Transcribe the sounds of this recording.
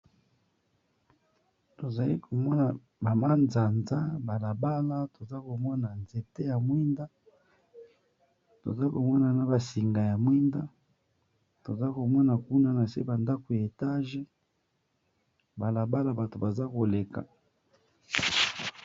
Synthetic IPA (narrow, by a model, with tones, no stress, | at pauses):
to˨za˨li˦kʰo˨mɔ˦na˨ | ba˨ma˦nza˨nza˦ba˨la˨ba˦la˦to˨za˦ko˨mɔ˦na˨nze˨te˦ja˨mwi˦nda˦ | to̰˨za˦ko˨mɔ˦na˨na˨ba˨si˨ŋɡa˨ja˨mwi˦nda˦ | to˨za˦ko˨mɔ˦na˨ku˦na˨na˨sḛ˦ba˨nda˦ko˨ja˨e˨ta˦ʒe˦ | ba˨la˨ba˦la˨ba˨to˨ba˨za˦ko˨le˨ka̰˨